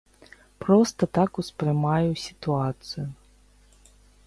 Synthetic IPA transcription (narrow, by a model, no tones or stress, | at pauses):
pɾɔst̪ɐt̪akuspɾɨmajusʲit̪uat̪sɨjʊ